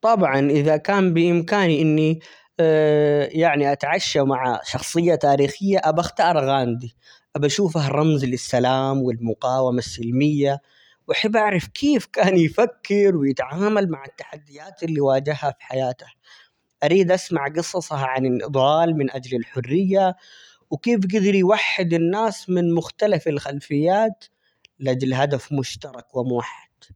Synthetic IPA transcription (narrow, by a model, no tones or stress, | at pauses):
t̪ˤɑbʕɑnʔɪðakaːmbɪʔɪmkaːniʔɪnːi | jaʕniʔat̪ʕaʃːamaʕa̰ʃɑxsˤɨjːat̪aːɾiːxɪjːaʔabaxt̪ɑːɾˤɣaːnd̪i | ʔabaʃuːfahrˤːɑmzlɪsːalaːmwɪlmʊqɑːwamasːɪlmɪjːa | wʔaħabːʔaʕɾˤɑfkʰeːfkaːnjfakːɪɾwɪjɪt̪ʕaːmalmaʕat̪ːaħad̪ːɪjaːt̪ɪlːiwaːd͡ʒɪhhafi̥ħajaːt̪ḁ | ʔaɾiːd̪ʔasmaʕɡɨsˤɑsˤɑhʕanɪlʔɨd̪ˤɑːlmɪnʔad͡ʒlɪlħʊrːɪjːa | wɪkeːfɡɪd̪ɪɾjwaħːɪd̪anːaːsmɪnmʊxt̪alafɪlxalfɪjːaːt̪ | lʔad͡ʒlɦad̪afmʊʃt̪ɑɾˤɑkwɪmʊwaħːad̪̥